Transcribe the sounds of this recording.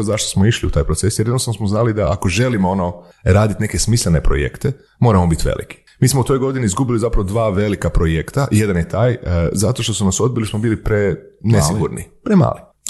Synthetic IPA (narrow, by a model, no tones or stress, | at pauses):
zaʃt̪osmoiʃliṵt̪aːjpɾotsesjeɾjednost̪anosmoznalid̪aʔakoʒe̞limoono | ɾaːd̪it̪ne̞kesmislene̞pɾo̰jḛkt̪e | mo̞ːɾamobit̪ʋḛlḭki̥ | miːsmout̪o̞jɡo̞d̪iniizɡubilizapɾaʋod̪ʋaːʋe̞likapɾojekt̪aje̞d̪anjet̪aːjzat̪o̞ʃt̪o̞sunaso̞d̪̚bilismobiːlipɾenesiɡuɾnḭpɾema̰ːli